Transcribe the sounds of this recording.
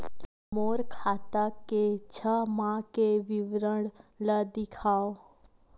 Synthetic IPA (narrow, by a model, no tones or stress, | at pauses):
moːɾkʰaːt̪aket͡ʃʰəmãkeʋɪʋɾəɽləd̪ɪkʰaːo